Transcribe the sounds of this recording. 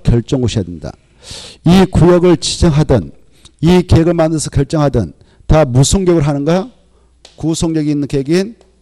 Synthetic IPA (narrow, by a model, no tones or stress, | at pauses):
kjʌɭt͡ɕ͈ʌŋɡoɕʰijadenɲida̰ | ikujʌɡɯɭt͡ɕid͡ʑʌŋɦadʌn | ikeɡɯɭmanɯsʰʌ̥kjʌɭt͡ɕ͈ʌŋɦadʌ̰n | tamusʰoŋɡjʌɡɯɭɦanɯnɡa | kusʰoŋɲʌɡiinːɯnkeɡin